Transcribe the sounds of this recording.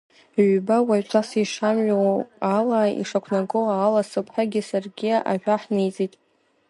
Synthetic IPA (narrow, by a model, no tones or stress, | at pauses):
ʕʷbawat͡ʃʷʰasiʂamɥawalaḭʂakʷʰnaɡɨwaːlasɨpʰħaɡʲɪsarɡʲiʔa̰ʒʷᶣaħnejt͡sʼitʼ